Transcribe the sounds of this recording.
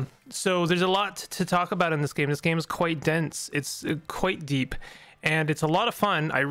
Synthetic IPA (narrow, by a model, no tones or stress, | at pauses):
soʊðə˞zəlɔtʰɨtʰɔkəbaʊɾn̩ðɪsɡ̥ẽɪ̃mðɪsɡ̥ẽɪ̃məz̥kʰw̥aɪt̚d̥ɛ̃nsɨtskʰw̥aɪt̚d̥ipʔɨ̃nɨtsəlɔɾʌv̥fʌ̃na̰ɪ